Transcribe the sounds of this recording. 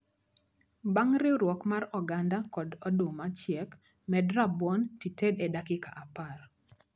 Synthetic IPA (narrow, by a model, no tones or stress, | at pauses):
baŋɾɪɾwɔkmarɔɡandakɔdɔdʊmat͡ʃɪɛk | mɛdɾabwɔntitedɛdakɪka̰ʔapar